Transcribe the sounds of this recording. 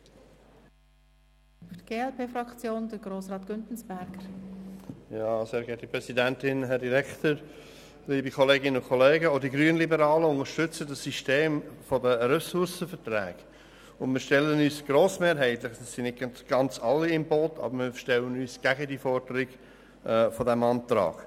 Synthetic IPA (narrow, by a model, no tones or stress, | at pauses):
fyɡ̥eːɛlpʰeːfɾɑkt͡sjoːnd̥əɡ̥ɾoːsɾɑːtɡ̥ʏntn̩sb̥ɛɾɡ̥əɾ | jɑːseːɾɡɛtdəpɾɛsidæntɪnɦɛɾdiɾɛktəɾ | liːbikʰɔleːɡɪnəʊnkʰɔleːɡəodiɡɾyːənlibəɾɑːləʊŋəʃtʏt͡sədəsːiʃteːmfɔdəɾɛsʊɾsəfəɾtɾɛːɡ̥ | ʊnmɪːɾʃtɛlːənyːsɡ̥ɾoːsmeːɾɦæɪtlɪχd̥ɑsːɪnɪt̚ɡ̥ɑnt͡sɑlːiɪmboːtʰɑ̰bəɾmiːfəʃtɛlənyːsɡ̥æɡədiːfɔɾd̥əɾɪɡ̥ | ʔɛfɔdɛmɑntɾɑ̰ːɡ̥